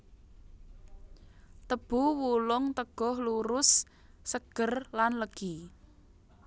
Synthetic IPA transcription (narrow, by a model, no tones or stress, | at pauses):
t̪əb̥uwulʊŋt̪əɡ̥ɔ̤hluɾʊsː | əɡ̥ərlanləɡ̥i